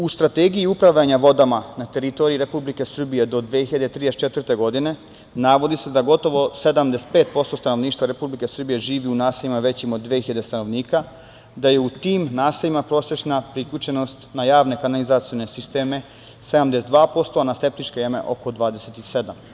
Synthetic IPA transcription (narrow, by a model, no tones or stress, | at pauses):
ust̪ɾat̪eːɡijiupɾaʋʎaɲaʋo̞d̪amanat̪e̞ɾit̪o̞ɾiɾe̞publike̞sr̩bije̞d̪o̞d̪ʋehiʎad̪et̪ɾid̪et͡ʃe̞t̪ʋɾrt̪e̞ɡo̞d̪ine̞ | naʋo̞d̪ise̞d̪aɡo̞t̪o̞ʋo̞se̞d̪amd̪ese̥t̪̚pet̪̚po̞st̪o̞st̪ano̞ʋniːʃt̪ʋaɾe̞publike̞sr̩bije̞ʒiːʋiunaːseʎimaʋe̞t͡ɕimod̪ːʋehiʎad̪e̞st̪ano̞ʋniːka | d̪aje̞ut̪iːmnaːseʎimapɾo̞ːse̞t͡ʃnapɾikʎʲut͡ʃe̞no̞st̪najaːʋne̞kanalizat̪sione̞sist̪e̞ːme̞ | se̞d̪amd̪esed̪ʋaːpo̞st̪o̞anaske̞p̚t̪it͡ʃkejeme̞̰ʔo̞̰ko̞d̪ʋaːd̪eset̪ise̞d̪am